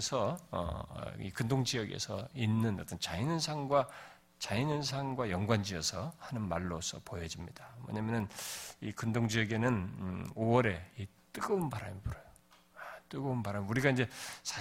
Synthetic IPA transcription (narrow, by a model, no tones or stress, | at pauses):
sʰʌʌ̰ḭkɯndoŋd͡ʑijʌɡe̞̰sʰʌ̰inːɯnʌt͈ʌnt͡ɕainɯnsʰaŋɡwa | t͡ɕainɯnsʰaŋɡwajʌŋɡwand͡ʑiʌsʰʌhanɯnmaɭːosʰʌpojʌd͡ʑimɲidamʌ̰ɲamjʌnɯnikɯndoŋd͡ʑijʌɡe̞nɯnowʌɾe̞it͈ɯɡɯmpaɾamʌbʌɾʌjo | at͈ɯɡɯmpaɾamuɾiɡaind͡ʑe̞sʰa